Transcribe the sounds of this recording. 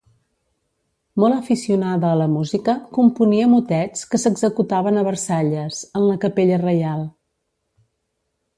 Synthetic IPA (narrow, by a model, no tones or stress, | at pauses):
mɔləfisiunaðəːləmuzikəkumpuniəmut̪ɛt͡skəsəɡzəkut̪aβənəβərsaʎəzənləkəpeʎərəjalˠ